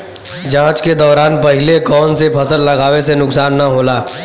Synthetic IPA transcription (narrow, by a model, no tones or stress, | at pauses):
d͡ʒãːt͡ʃked̪ɔːɾaːnpɐɦɪlekɔːnsepʰɐsəlːɐɡaːʋesenʊksaːnːɐɦoːlaː